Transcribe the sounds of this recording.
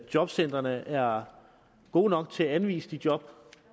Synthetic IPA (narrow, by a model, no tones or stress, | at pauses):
jɒ̽b̥sen̰d̥ʁɐnəʔæɐ | ɡ̥o̝̰ːnɒ̽ɡ̥̚t͡sʰe̝æænʋḭːsəd̥id̥jɒ̽b̥